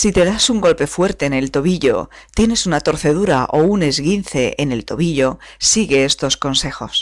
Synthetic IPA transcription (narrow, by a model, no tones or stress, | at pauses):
sit̪e̞ðasuŋɡo̞lpe̞fwe̞ɾt̪e̞ːne̞lt̪o̞βiʎo̞̰ | t̪je̞ne̞sunat̪o̞ɾθe̞ð̞uɾaʔo̞une̞zɣinθe̞ʔene̞lt̪oβiʎo̞siɣe̞est̪o̞sko̞nse̞xo̞s